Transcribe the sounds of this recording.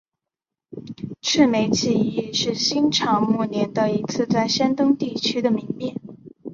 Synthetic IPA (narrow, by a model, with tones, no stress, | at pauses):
ʈ͡ʂʰɻ̩˥˩me˧˥ɪt͡ɕʰi˥˧i˥˧ʂɻ̩˥˩ɕi˥nʈ͡ʂʰɑ˧˥ŋmu˥˩njɛ˧˥nd̪ə˧i˧˥t͡sʰɹ̩˥˧t͡sa˥˩ɪɕjɛ˥nt̪ɤ˥ŋt̪i˥˩t͡ɕʰy˥d̪ə˨mi˧˥ŋmjɛ˥˩n